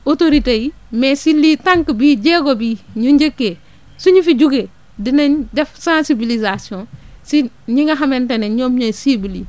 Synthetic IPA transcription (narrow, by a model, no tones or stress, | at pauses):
otoɾiteji | mesiliːtãŋkbiːɟeːɡobiːɲuɲɟekːe | suɲufiɟuɡe | dinɐɲdɛfsãsibilizasijɔ̃si | ɲiŋɡɐɦɐmɛnteneɲoːmɲosibili